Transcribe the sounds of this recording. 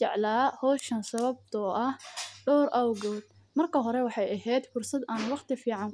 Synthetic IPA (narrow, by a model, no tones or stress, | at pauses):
t͡ʃɛ̰ʕlaːhɔːʃɐnsɐβɐb̚t̪ʰɔʔɐhɖɔːɾʔɐwɡɔːd̪̚ | mɐrkʰɐɦɔɾɛwɑħɑjɐɦɛːd̪fʊrsɐd̪aːnwɑχt̪ʰɪfiːʕɑn